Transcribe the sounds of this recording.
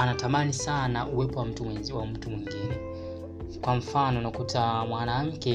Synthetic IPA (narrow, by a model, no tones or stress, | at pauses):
anatamanisanaʔuwɛpɔwawam̩tumwiŋɡinɛ | kwam̩fanɔnakutʰamwanam̩kɛ